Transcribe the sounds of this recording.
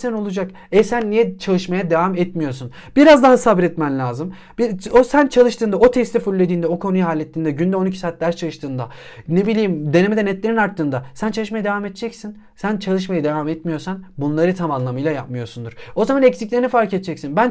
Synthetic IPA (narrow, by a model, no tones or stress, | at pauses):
sæno̞lˠud͡ʒak | ɛsænːijɛt͡ʃʰalˠɯʃmajad̪e̞vamɛt̪mijo̞ɾsun | b̥iɾazd̪aɦasabɾɛt̪mænlʲaːzɯm | biosænt͡ʃʰalˠɯʃt̪ʰɯːnd̪ao̞t̪ʰɛst̪ʰɛfulʲːed̪iːnd̪ɛo̞kʰo̞nujuɦaːlʲːet̪ːʲind̪ɛɟynd̪ɛo̞nicʰi̥saːt̪̚d̪æɾst͡ʃʰalɯʃt̪ʰɯːnd̪anebilʲiːmd̪e̞nemed̪ɛnɛt̪lʲeɾinaɾt̪ːɯːnd̪asænt͡ʃʰalˠɯʃmajad̪e̞vamɛt̪t͡ʃʰɛcsin | sænt͡ʃʰalˠɯʃmajad̪e̞vamɛt̪mijo̞ɾsanbunlˠaɾɯt̪ʰamanlˠamɯjlˠajap̚mɯjo̞ɾsund̪uɾ̥o̞zamanɛcsiclʲeinifaɾcɛt̪̚t͡ʃʰɛcsinbæn